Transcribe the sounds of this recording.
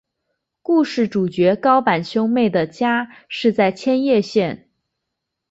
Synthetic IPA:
ku˥˧ʂɻ̩˥˩ʈ͡ʂu˨˩t͡ɕɥɛ˧˥kɑ˥ʊpa˨˩nɕjʊ˥ʊme˥˩ɪd̪ə˩t͡ɕja˥ʂɻ̩˥˧t͡sa˥˩ɪt͡ɕʰjɛ˥njɛ˥˧ɕjɛ˥˩n

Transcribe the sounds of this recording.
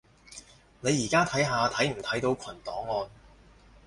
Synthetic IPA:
ne˨˧jːiː˨˩kaː˥t̪ʰɐ˨˥jɦaː˧t̪ʰɐ˨˥jm̩˨˩t̪ʰɐ˨˥jt̪o˨˧wkʰɐ˨˩nt̪ɔː˨˥ŋːɔː˧n

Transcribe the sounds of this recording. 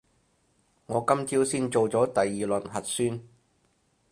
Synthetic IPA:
ŋɔː˨˧kɐ˥mt͡siː˥wsiː˥nt͡ʃo˨wt͡sɔː˨˥t̪ɐ˨jːiː˨˩lɵ˨˩nɦɐ˨t̚syː˥n

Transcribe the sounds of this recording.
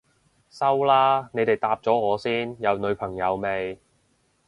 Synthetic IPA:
sɐ˥wlaː˥ne˨˧jt̪e˨jt̪aː˧p̚t͡sɔː˨˥ŋɔː˨˧siː˥njɐ˨˧wnɵ˨˧ɥpʰɐ˨˩ŋjɐ˨˧wme˨˧j

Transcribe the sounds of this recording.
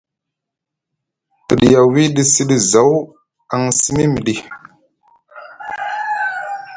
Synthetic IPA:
tə˨ɗi˨ja˨wi˦ɗi˦si˦ɗi˦za˨˦w | a˨ŋsi˦mi˦mi˨ɗi˨

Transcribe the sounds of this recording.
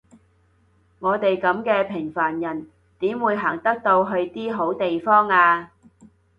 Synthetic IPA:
ŋɔː˨˧t̪e˨jkɐ˨˥mkɛː˧pʰɪ˨˩ŋfaː˨˩njɐ˨˩n | t̪iː˨˥mwuː˨˧jɦaː˨˩ŋt̪ɐ˥k̚t̪o˧wɦɵ˧ɥt̪iː˥ɦo˨˥wt̪e˨jfɔː˥ŋaː˧

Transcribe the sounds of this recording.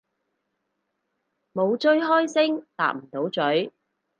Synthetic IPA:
mo˨˧wt͡ʃɵ˥ɥɦɔː˥jsɪ˥ŋt̪a̰ː˨k̚m̩˨˩t̪o˨˥wt͡ʃɵ˨˥ɥ

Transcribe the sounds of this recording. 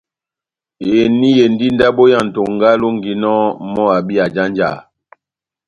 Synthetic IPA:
e˨ni˦je˨n˦di˦n˦da˦bo˦ja˦˨n̩˨to˨ŋɡa˦lo˦ŋɡi˨nɔ˦mɔ˦a˨bi˦a˨d͡ʒa˦n˦d͡ʒa̰˨

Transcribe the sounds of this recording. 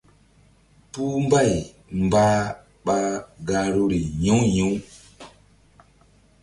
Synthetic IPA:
pu˦m˦ba˦˨j | m˨ba˦ | ɓa˦ɡa˦ɾu˦ɾi˨ɲũ˦ju˦

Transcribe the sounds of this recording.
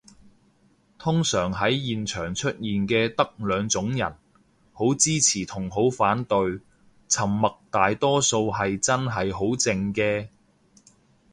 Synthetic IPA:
t̪ʰʊ˥ŋsœː˨˩ŋɦɐ˨˥jjiː˨nt͡ʃʰœː˨˩ŋt͡ʃʰɵ˥t̚jiː˨nkɛː˧t̪ɐ˥k̚lœː˨˧ŋt͡sʊ˨˥ŋjɐ̰˨˩n | ho˨˥wt͡siː˥t͡sʰiː˨˩t̪ʰʊ˨˩ŋɦo˨˥wfaː˨˥nt̪ɵ˧ɥ | t͡sʰɐ˨˩mːɐ˨k̚t̪aː˨jt̪ɔː˥so˧whɐ˨jt͡sɐ˥nɦɐ˨jɦo˨˥wt͡sɪ˧ŋkɛː˧

